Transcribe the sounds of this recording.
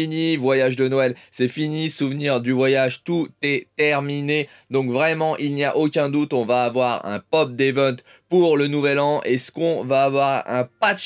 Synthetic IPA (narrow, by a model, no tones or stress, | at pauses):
inivwajaʒd̪ənoɛlsɛfinisuvniʁd̪yvwajaʒt̪ut̪ɛt̪ɛʁmine | d̪ɔ̃kvʁɛmɑ̃ʔilnija̰ʔokʲɛ̃d̪ut̪ɔ̃vaːvwaʁɛ̰̃pɔp̚d̪evɛ̃t̪ | puʁlənuvɛlɑ̃ʔɛskɔ̃vaːvwaʁɛ̰̃pat̪